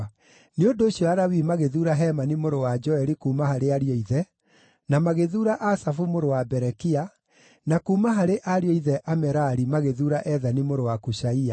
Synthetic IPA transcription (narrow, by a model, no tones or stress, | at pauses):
neondoːɕjɔaɾawimaɣeðuːɾaɦɛmanimoɾowad͡ʒɔɛɾikuːmaɦaɾeaɾiɔiðɛ | namaɣeðuːɾaʔasafumoɾowabɛɾɛkia | nakuːmaɦaɾeʔaɾiɔiðɛʔamɛɾaɾimaɣeðuːɾaʔɛðanimoɾowakuʃaia